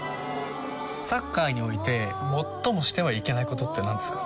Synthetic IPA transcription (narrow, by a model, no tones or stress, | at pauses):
sakːaiɲ̟io̞it̪e̞mo̞t̪ːo̞mo̞ɕi̥t̪e̞βaike̞naiko̞t̪o̞t̪ːe̞nãnd̪e̞sɨ̥kḁ